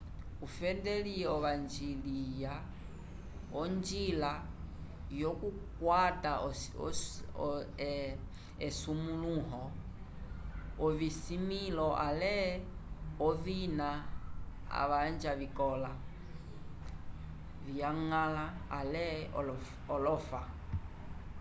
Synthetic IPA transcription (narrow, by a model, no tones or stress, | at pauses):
ufɛdɛliɔβand͡ʒilija | ɔnd͡ʒila | jɔkukwata | ɛsumuluɦɔ | ɔvisimilɔʔalɛ | ɔvina | a̰βand͡ʒavikɔla | viaŋalaːlɛ | ɔlɔfa